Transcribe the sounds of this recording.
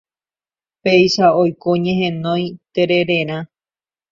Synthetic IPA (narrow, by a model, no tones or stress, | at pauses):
pe̞jʃaojkoɲẽɦẽnõjt̪e̞ɾe̞ɾe̞ɾ̃ã